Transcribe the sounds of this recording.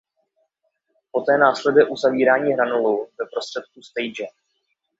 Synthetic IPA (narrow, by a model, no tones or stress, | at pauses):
po̞t̪ɛːnaːslɛdɛʔuzaviːɾaːɲiːɦɾanoluvɛpɾo̞st̪r̝̥ɛt̪̚k̚ust̪ejd͡ʒɛ